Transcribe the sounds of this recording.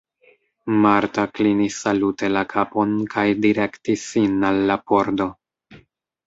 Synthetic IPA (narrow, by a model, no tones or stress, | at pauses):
maɾtaklinisːalute̞lakʰapo̞nkʰajdiɾe̞ktisːinalːapo̞ɾdo̞